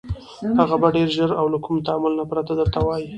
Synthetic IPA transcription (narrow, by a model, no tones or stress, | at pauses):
haɣabaɖeɾʒəɾawlakumt̪aamʊlnapɾat̪ad̪əɾt̪awɑji